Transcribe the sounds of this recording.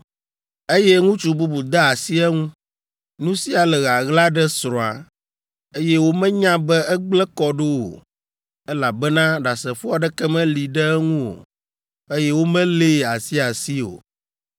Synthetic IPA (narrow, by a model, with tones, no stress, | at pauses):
e˦jɛ˦ŋũ˦t͡ʃu˨bu˦bu˨d̪a˦a˨si˦ɛ˦ŋũ˦ | nũ˦si˦a˨lɛ˨ɣa˨ɣla˦ɖɛ˦sɾɔ̃˨a̰˨ | e˦jɛ˦wo˦mɛ̃˦ɲã˦bɛ˦ɛ˦ɡ͡blɛ˦kɔ˦ɖo˦wo̰˨ | ɛ˦la˨bɛ˦nã˦ɖa˨sɛ˨fɔ˦a˨ɖɛ˦kɛ˦mɛ̃˦li˨ɖɛ˦ŋũ˦o̰˨ | e˦jɛ˦wo˦mɛ̃˦le˦˨a˨si˦a˨si˦o̰˨